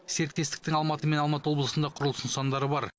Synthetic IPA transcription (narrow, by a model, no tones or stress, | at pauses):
se̞ɾɪt̪̚kʲe̞st̪ɪ̥k̚t̪ɪŋɑlˠmɑt̪əme̞nɑlˠmɑt̪əwo̞blˠəsənd̪ɑqʰʊɾəlˠənsɑnd̪ɑɾəbɑɾ